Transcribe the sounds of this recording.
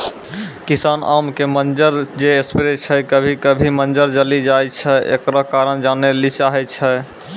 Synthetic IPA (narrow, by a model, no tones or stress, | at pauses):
kisanʔa̰mkemənd͡ʒəɾd͡ʒeespiɾet͡ʃʰɛkəbʱikəbʱimənd͡ʒəɾd͡ʒəlid͡ʒajt͡ʃʰɛʔḛkɾɔkaɾənd͡ʒanelit͡ʃaɦɛt͡ʃʰɛ